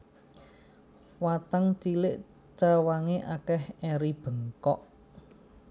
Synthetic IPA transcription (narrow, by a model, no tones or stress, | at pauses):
wat̪aŋt͡ʃilɪʔ | t͡ʃawaŋeʔakɛhɛɾib̥ə̤ŋkɔ̰ʔ